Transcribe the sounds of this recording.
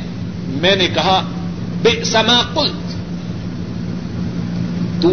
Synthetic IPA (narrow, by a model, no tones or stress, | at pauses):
mɛnɪkɐɦa | bɪʔsɐmaːkʼʊlt̪ | t̪u